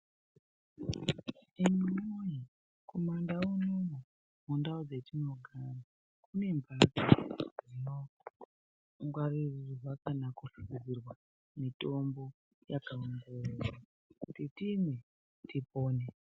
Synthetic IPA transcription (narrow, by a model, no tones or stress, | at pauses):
imimoji | ko̞mandaunomu | mundaud͡ze̞tino̞ɡʱana | kune̞mbʱakad͡zino | ŋɡwaririrrwakanakufuɡid͡zirwa | mito̞mbo̞ | jakaundeeɾa | kutitine | tipoːne